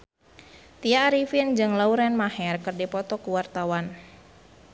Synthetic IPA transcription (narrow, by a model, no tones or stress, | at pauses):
t̪iaːɾifind͡ʒɨŋlauɾɛnmahɛrkɨrdipɔt̪ɔkuwart̪awan